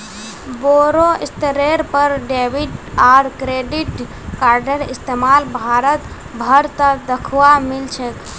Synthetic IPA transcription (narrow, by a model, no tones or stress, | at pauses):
boɾoist̪ɾeɾpəɾɖebiɖaɾkɾeɖiʈ | kaɾɖəɾist̪emalbʱaɾət̪ | bʱəɾt̪əd̪əkʰwamilt͡ʃʰək